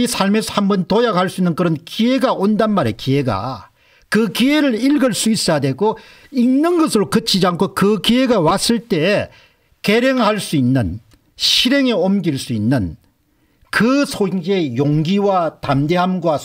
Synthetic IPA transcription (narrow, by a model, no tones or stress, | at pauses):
isʰaɭmesʰhambʌntojakhaɭs͈uinːɯnkɯɾʌnkie̞ɡaʔondanmaɾe̞kie̞ɡa̰ | kɯkie̞ɾɯɾiɭɡɯɭs͈uis͈ajadwe̞ɡo | inːɯnɡʌsʰɯɾokɯt͡ɕʰid͡ʑiaŋkʰokɯkie̞ɡawas͈ɯɭt͈e̞ː | ke̞ɾeŋhaɭs͈uinːɯn | ɕʰiɾe̞ŋeomɡiɭs͈uinːɯn | kɯsʰoɡe̞joŋɡiwatamde̞ɦamɡwa